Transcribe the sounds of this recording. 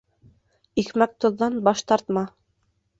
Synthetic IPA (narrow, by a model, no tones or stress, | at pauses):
ixmæk̚t̪ŏðːɑnbɑʃt̪ɑɾt̪mɑ